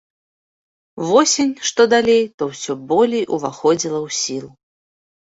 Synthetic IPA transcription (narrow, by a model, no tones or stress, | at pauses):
vɔsʲenʲʂt̪ɔd̪alʲejt̪ɔwsʲɔbɔlʲejʔuvaxɔd͡zʲilˠɐwsʲilˠu